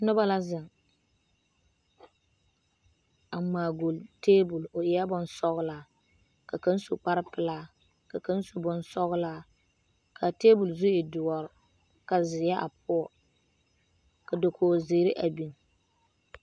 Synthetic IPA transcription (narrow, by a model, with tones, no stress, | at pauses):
nʊ˦ba˦la˦zɪ˨ŋ | a˨maː˨ɡo˨lteː˦bʊ˨lʊ˨ʔɪ˨˦a˦bʊ˦nsɔ˦ɣʊ˦laː˦ | ka˨ka˦n˦su˨k͡pa˦ɾɪ˦pɪ˨laː˦ | ka˨ka˦n˦su˨bʊ˦nsɔ˦ɣlaː˦ | kʰa˨teː˦bʊ˨lzʊ˦ɪ˨dʊ˨wɔ˨ɾ | ka˨zɪ˨ja˦ʔa̰˨p̚ʰʊ˦ɔ˨ | ka˨do˨kʰoː˨zɪː˨˦ɾɪ˦ʔa˨bi˨ŋ